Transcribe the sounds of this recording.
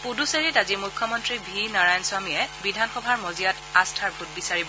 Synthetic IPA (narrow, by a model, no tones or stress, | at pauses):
puduseɹitazimujkʰːɔmɔntɹibʱinaɹajnswamijɛbidʱanxɔbʱaɹmɔzijatastʰaɹbʱut̚bisaɹibɔ